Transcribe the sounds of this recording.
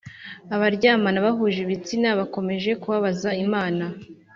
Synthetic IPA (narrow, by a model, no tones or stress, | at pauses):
aβaɾɟaːmanaβaɦuːʒiβit͡sinaβako̞me̞ʒe̞kuβaβazaimaːna